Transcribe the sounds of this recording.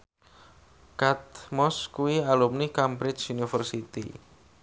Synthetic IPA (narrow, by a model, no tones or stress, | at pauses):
kat̪̚mɔskuialumnikampɾɪt͡ʃunifərsit̪ḭ